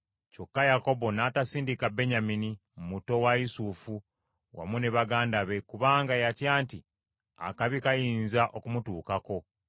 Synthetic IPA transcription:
co̞kːajako̞bo̞naːtasiːndikabe̞ɲamini | mumuto̞wajisufu | wa̰mune̞βaɡaːndaβe̞kuβaːŋɡajatjaːnti | a̰kaβikajiːnzaʔo̞kumutuːkako̞

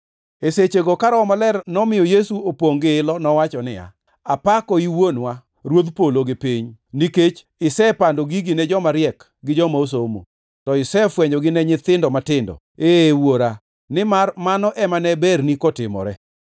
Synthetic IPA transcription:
eset͡ʃeɡokaɾɔɔmalɛɾnɔmɪjɔjesuopoŋɡɪɪlɔnɔwat͡ʃɔnɪ̰ja̰ | apakɔiwonwa | ɾwod̪poloɡɪpiɲniket͡ʃ | ɪsɛpandoɡiɡɪnɛd͡ʒɔmaɾjɛk | ɡɪd͡ʒɔmaos̬omo̰ | tɔɪsɛfwɛɲɔɡɪnɛɲɪt̪ɪndɔmatɪndɔ̰ | ewoɾa | nɪmarmanɔʔɛmanɛbɛɾnikotɪmɔ̰ɾɛ

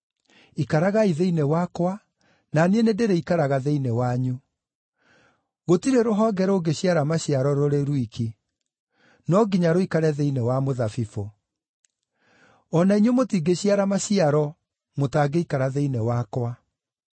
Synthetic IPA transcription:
ikaɾaɣaiðeinewakwa | nanienedeɾeikaɾaɣaðeinewaɲu | ɣotiɾeɾoɦɔːɡɛɾoɡeɕiaɾamaɕiaɾɔɾoɾeɾwiki | nɔɡiɲaɾoikaɾɛðeinewamoðafifo | ɔnaiɲwemotiɡeɕiaɾamaɕiaɾɔ | motaɡeikaɾaðeinewakwa

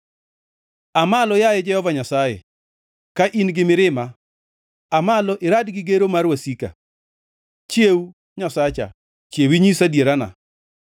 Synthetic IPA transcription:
amalɔjajɛd͡ʒɛhɔvaɲasajḛ | kaʔinɡɪmɪɾɪma | amalɔʔɪɾadɡɪɡeɾomarwasika̰ | t͡ʃjew | ɲasat͡ʃa̰ | t͡ʃjewiɲisadjeɾana̰

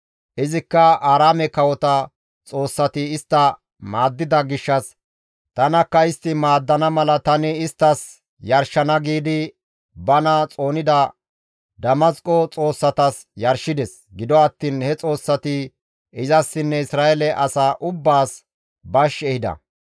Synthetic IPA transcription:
ʔɪzɪkːɐaːɾaːmɛkɐwɔt̪ɐ | t͡sʼo̞ːsːɐt̪ɪːst̪ːɐ | maːd̪ːɪd̪ɐɡɪʃːɐs | t̪ɐnɐkːɐɪst̪ːɪmaːd̪ːɐnɐmɐlɐt̪ɐnɪɪst̪ːɐs | jɐɾʃɐnɐɡiːd̪ɪ | bɐnɐt͡sʼo̞ːnɪd̪ɐ | d̪ɐmɐskʼɔt͡sʼo̞ːsːɐt̪ɐs | jɐɾʃɪd̪ɛs | ɡɪd̪ɔɐt̪ːiːnhɛt͡sʼo̞ːsːɐt̪ɪ | ɪzɐsːɪnːɛɪsɾaːɛlɛʔɐsaːʔʊbːaːs | bɐʃɛhɪd̪ɐ̰

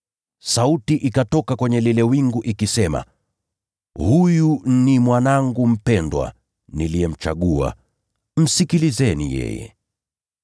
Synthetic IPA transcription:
sautiʔikatɔkakwɛɲɛlilɛwiŋɡuʔikisɛma̰ | hujunimwanaŋɡum̩pɛndwa̰ | niliɛm̩t͡ʃa̰ɠua̰ | m̩sikilizɛnḭjɛ̰jɛ̰

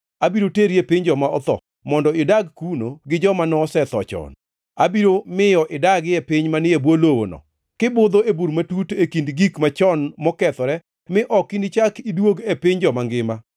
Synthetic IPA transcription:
abiɾoteɾjepɪɲd͡ʒɔmaɔt̪ɔ̰ | mɔndɔɪdaɡkunoɡɪd͡ʒɔmanɔsɛt̪ɔ̰t͡ʃɔ̰n | abiɾomɪjɔʔɪdaɡjɛpɪɲmanɪebwolowo̰nɔ̰ | kɪbʊd̪oebuɾmatutekindɡikmat͡ʃɔnmɔkɛt̪ɔɾɛ | mɪʔɔkindt͡ʃakidwoɡepɪɲd͡ʒɔmaŋɡɪma

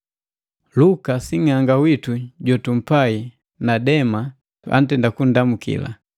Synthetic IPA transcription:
lukasiŋaŋɡawituɟɔtum̩pai | nadɛma | a̰n̩tɛndakun̩damukḭla̰

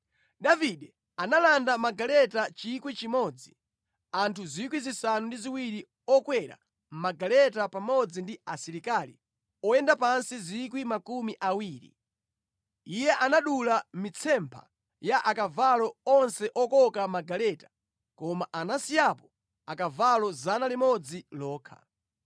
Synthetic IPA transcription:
ɗaviɗɛ | analandamaɡalɛtat͡ʃikwit͡ʃimɔd͡zi | antʰuzikwizisanundiziwiɾi | ɔkwɛɾa̰ | m̩maɡalɛtapamɔd͡zindiasiɾikaːlḭ | ɔjɛndapansizik̬wimakumiʔawiːɾḭ | ijɛʔanaɗulamit͡sʰɛmpʰa̰ | jaʔakavalɔɔnsɛʔɔkɔkamaɡalɛtḁ | kɔmaʔanasijapɔ̥ | akavalɔzanalimɔd͡zilɔːkʰa̰

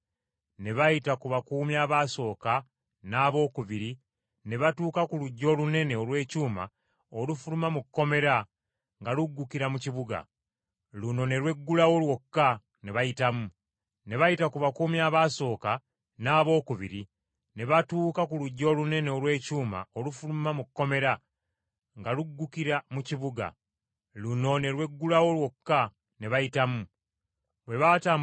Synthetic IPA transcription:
ne̞βajitakuβakuːmjaːβaːso̞ːka | naːβo̞ːkuβiɾi | ne̞βatuːkakuluɟːo̞lune̞ne̞olwe̞ːcuːma̰ | olufulumamukːo̞me̞ɾa | ŋɡaluɡːukiɾamuciβuɡa̰ | luno̞ne̞lwe̞ɡːulawo̞lwo̞kːa | ne̞βajitamu | ne̞βajitakuβakumjaβaːso̞ːka | naːβo̞ːkuβḭɾi | ne̞βatuːkakuluɟːo̞ːlune̞neolwe̞ːcuːma̰olufulumamukːo̞me̞ɾa | ŋɡaluɡːukiɾamuciβuɡa̰ | luno̞ne̞ɾwe̞ɡːulawo̞lwo̞kːa | ne̞βajitamu | βwe̞βata

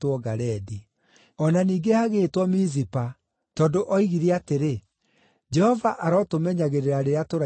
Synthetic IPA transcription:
twɔɡaɾɛdi | ɔnaniːɡehaɣeːtwɔmizipa | tɔːdoʔɔiɣiɾiateɾe | d͡ʒɛhɔvaʔaɾɔtomɛɲaɣeɾeɾaɾeatoɾa

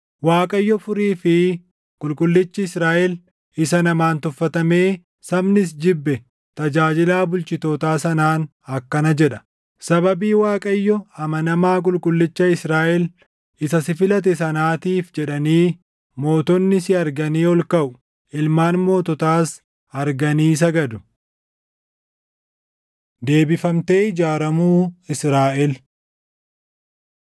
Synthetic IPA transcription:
waːkʼɐjːɔfʊɾiːfɪ | kʼʊlkʼʊlːɪt͡ʃːɪɪsɾaːʔɛl | ɪsɐnɐmaːnt̪ʊfːɐt̪ɐmeː | sɐbnɪs̬d͡ʒɪbːɛ | t̪ɐd͡ʒaːd͡ʒɪlaːbʊlt͡ʃɪt̪o̞ːt̪aːsɐnaːn | ɐkːɐnɐd͡ʒɛᶑɐ̥ | sɐbɐbiːwaːkʼɐjːɔɐmɐnɐmaːk̬ʼʊlkʼʊlːɪt͡ʃːɐɪsɾaːʔɛl | ɪsɐsɪfɪlɐt̪̬ɛsɐnaːt̪iːfd͡ʒɛᶑɐniː | mo̞ːt̪ɔnːɪsɪɐɾɡɐniːɔlkɐʔʊ | ɪlmaːnmo̞ːt̪ɔt̪aːs | ɐɾɡɐniːs̬ɐɡɐd̪ʊ̥ | d̪e̞ːbɪfɐmt̪e̞ːɪd͡ʒaːɾɐmuːɪsɾaːʔɛl

